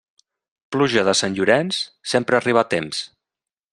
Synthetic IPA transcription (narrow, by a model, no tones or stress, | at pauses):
pluʒəðəsanʲʎuɾɛnssempɾəːriβat̪ems